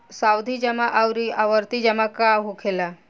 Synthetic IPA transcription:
sawd̪ʱid͡ʒɛmaʔawɾiaʋəɾt̪id͡ʑɛmakaɦukʰela

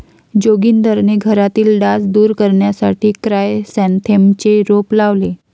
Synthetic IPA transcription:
d͡ʑoɡiːnd̪ʱəɾneɡʱəɾat̪iːlɖasd̪uːɾkəɾɳjasaʈʰiːkɾajsɛ̃nt̪ʰemt͡ɕeɾoplaʋle

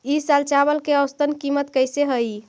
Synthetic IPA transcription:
isalt͡ʃabəlkeəwst̪ənkimət̪kəjseɦəi

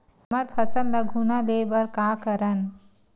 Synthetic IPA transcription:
məɾpʰɐsəllɐɡʱunaleːbɐɾkaːkəɾən

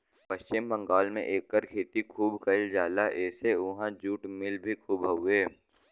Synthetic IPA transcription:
pɐʃt͡ʃɪmbə̃ŋɡaːlmḛ̃ʔeːkːəɾkʰeːt̪ikʰuːbkɐɪld͡ʒaːlaʔɛːseʊɦãd͡ʒuːʈmɪlbʱikʰuːbɦɐʊeː

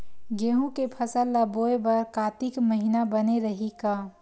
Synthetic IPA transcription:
ɡeːɦũkepʰəsəlːaboːebəɾkaːt̪ikməɦinabəneɾəɦikaː

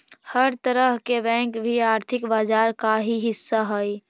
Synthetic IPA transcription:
həɾt̪əɾəɦkebɛ̃ŋkbʱiaːɾt̪ʰɪkbad͡ʒaɾkaɦiɦɪsːaɦəj

